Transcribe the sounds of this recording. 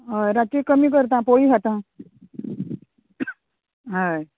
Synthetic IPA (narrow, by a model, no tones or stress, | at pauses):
ɦajɾat͡ɕikəmiːk̬əɾt̪̬ãpoɭiːɦat̪ã | ɦaj